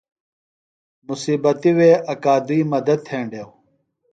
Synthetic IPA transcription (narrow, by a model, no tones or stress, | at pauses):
musiːbɐt̪iweːʔɐkaːd̪uiːmɐd̪ɐd̪̚t̪ʰẽːɳɖeːw